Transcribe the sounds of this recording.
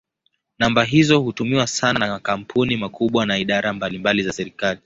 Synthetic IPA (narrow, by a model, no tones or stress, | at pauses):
nambaɦizɔhutumiwasananamakam̩pʰunimakʰuɓwanaiɗaɾambalimbalizasɛɾikali